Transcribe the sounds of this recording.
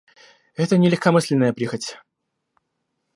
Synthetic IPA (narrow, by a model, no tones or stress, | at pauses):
ɛt̪ənʲɪlʲɪxkɐmɨsʲlʲɪnəjəpɾʲixətʲ